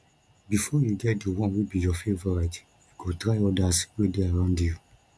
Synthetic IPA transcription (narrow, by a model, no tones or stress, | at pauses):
bifɔjuɡɛt̚dewɔ̃nwebijɔfevɔɹat | jukotɹaɪɔdaswedeaɹãʊ̃ndju